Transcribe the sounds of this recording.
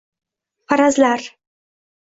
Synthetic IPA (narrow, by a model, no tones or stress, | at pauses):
pʰaɾazlaɾ